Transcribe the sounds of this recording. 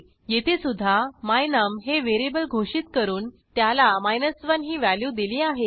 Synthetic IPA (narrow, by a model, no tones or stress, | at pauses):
jet̪ʰesud̪ʱːamajnəmɦeʋeɾibəlɡʱoʂit̪kəɾuːn | t̪jalamajnəsʋənɦiːʋæljuːd̪iliːaɦe